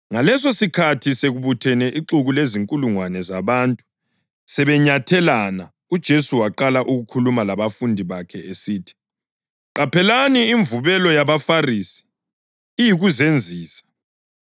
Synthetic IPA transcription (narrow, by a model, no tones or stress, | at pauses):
ŋalɛsosikʰatʰiseɣuβutʰɛnɛʔiǁuɣuleziŋkʼuluŋwanɛzaβantʼu | sɛβɛɲatʰɛlana | ud̥ʒ̥ʱesuwaǃalaʔuɣukʰulumalaβafundʱiβakʰɛesiːtʰi̥ | ǃapʰɛlaniːɱvuβɛlɔjaβafarisi̥ː | jiɣuzend͡zʱiːsḁ